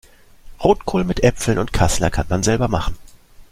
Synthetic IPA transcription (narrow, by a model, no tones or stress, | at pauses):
ʁoːtkʰoːlnmɪtʔɛpfl̩nʔʊntkʰaslɐ̰kʰanmanzɛlbɐmaχn̩